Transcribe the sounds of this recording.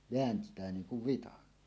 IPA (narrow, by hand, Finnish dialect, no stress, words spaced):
ʋeæntˑæː niːn̞ kuʋ ʋitɑn